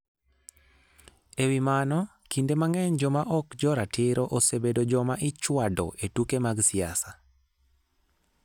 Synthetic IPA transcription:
ewimanɔ | kindemaŋɛɲd͡ʒɔmaʔɔkd͡ʒɔɾatʰɪɾoʔosebedod͡ʒɔmaʔɪt͡ʃwadɔ̰ʔetukemaɡsɪasa

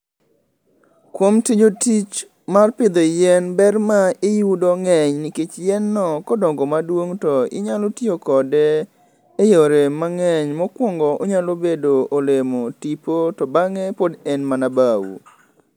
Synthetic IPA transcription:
kwomtid͡ʒotit͡ʃ | marpɪd̪ojɛnbɛrmaɪjudoŋɛɲnɪket͡ʃjɛnːɔkɔdɔŋɡɔmadwoŋtɔɪ̰ɲalotjiokɔdɛː | joɾemaŋɛɲmɔkwɔŋɡɔʔoɲalobedoolemotipotɔbaŋɛpodɛnmanabawṵ

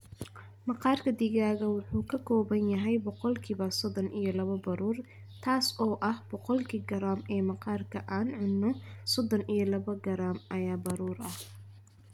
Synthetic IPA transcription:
mɑqɑːrkʰɐd̪iɣaːɣɐwʊħuːkʰɐkʰɔːβɐnjɐɦɛjbɔqɔlkʰiːβɐsɔd̪ɔnijɔlɐβɐbɐɾuːr | t̪ʰaːsɔːʔɐhbɔqɔlkʰiːɡɐɾaːmɛːmɑqɑːrkʰɐʔaːnʕʊnːɔsɔd̪ɔnʔijɞlɐβɐɡɐɾaːmʔɐjaːbɐɾuːɾɐh

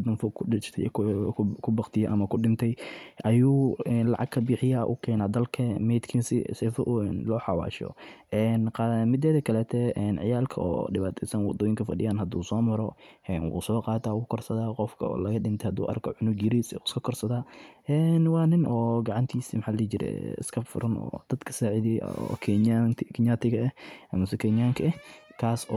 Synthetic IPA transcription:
d̪ʊmfɔkʰɪt͡ʃt̪ʰɛ̰ | kʰʊbɑqt̪ʰɪjɐʔɐmɐkʰʊɖɪnt̪ʰɛjʔɐjuːɛnlɑ̰ʕɑ̰ɡ̚kʰɐbiːħɪjaːʔʊ̰kʰɛːnaːd̪ɐlkʰɐmɛːd̪kʰɪnsɪsɛfɔʔnlɔːħɑwɑ̰ːʃɔ̰ʔɛnqɑmɪd̪ɛðɐkʰɐlɛːt̪ʰɛʔɛnʕɪ̰jaːlkʰɐɔ̰ːɖɪβaːt̪ʰɛjsɐnwɑd̪ɔːjɪŋkʰɐfɐɖɪ̰jaːnhɐd̪ṵːsɔːmɐɾɔɛnwṵːsɔːqɑːt̪ʰaːwʊːkʰɔrsɐðaːqɔfkʰɐɔ̰ːlɐɣɐɗɪnt̪ʰɛhɐd̪ṵːʔɐ̰rkʰɔʕʊnʊɡjɪɾisɛskʰɐkʰɔrsɐðaːʔɛːnwɑːnɪnʔɔːɡɑʕɑnt̪ʰiːsiːmħaːlːt͡ʃɪɾɛ̰ɪ̰skʰɐbfʊ̰ɾɐnɔ̰ːd̪̥ɐd̪kʰɐ̥saːʕɪðḭkʰɛaŋt̪ʰkʰɪɲat̪ʰɪɣɐɛʔɐmɐsɔkʰɛɲaːŋkʰɐɛkʰaːsɔ

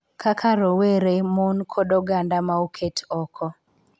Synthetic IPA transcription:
kʰakʰaɾoweɾemonkʰɔdɔɡandamaukʰetʰɔkʰɔ

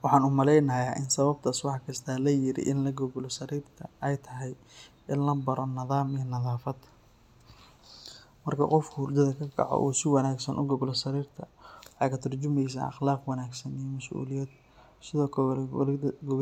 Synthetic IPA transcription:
wɑħɑːnʊmɐlɛjnɐjaːʔɪnsɐβɐb̚t̪ʰaːswɑħɑkʰɐst̪ʰaːlɐjɪɾɪ̰ʔɪnlɐɡɔɡlɔsɐɾiːrt̪ʰɐɛjt̪ʰɐɦɛj | ʔɪnlɐbɐɾɔnɐðaːmijɔnɐðaːfɐd̪ | mɐrkʰɐ̰qɔfkʰʊʊrd͡ʒ̪ɐðɐkʰɐɡʰɑ̰ʕɔ̰ʔṵːsɪwɑnaːɡsɐnʔʊ̰ɡɔɡlɔsɐɾiːrt̪ʰɐwħɑːkʰɐt̪ʰɐrt͡ʃʊmɛjs̬ɐ̰ʔɑ̰χlaːqwɑnaːɡsɐnijɔmɐsʔṵːlɪjɛːd̪ | sɪðɔːkʰɐɛɡʊ

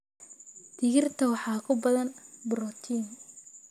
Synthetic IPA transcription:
d̪̥ɪɣɪrt̪ʰɐwɑħɑːkʰʊbɐðɐnbɾɔt̪ʰiːn

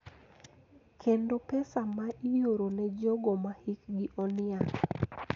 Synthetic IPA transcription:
kʰendopɛsamaʔijoɾonɛd͡ʒɔɡɔmahikɡɪʔɔnɪa

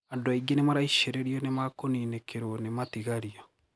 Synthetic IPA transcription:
andoaiɡenemaɾaiʃeɾeɾiɔnemakoninekʰeɾonematiɣaɾia

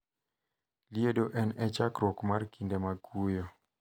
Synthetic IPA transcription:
liedoʔɛnɛt͡ʃakɾɔkmarkʰindemaɡujo

